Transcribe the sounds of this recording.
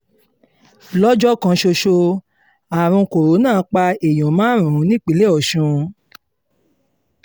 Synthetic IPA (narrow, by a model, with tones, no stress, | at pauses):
lɔ˦d͡ʒɔ˦kã˧ʃo˧ʃo˧ | a˨ɾ̃ũ˧ko˨ɾo˨˦nãː˦˨˦k͡pa˧e˨j̃õ˨˦mãː˦ɾ̃ũ˨ɾ̃ũ˨˦nĩ˦k͡pi˨˦le˦ɔ˨ʃũ˧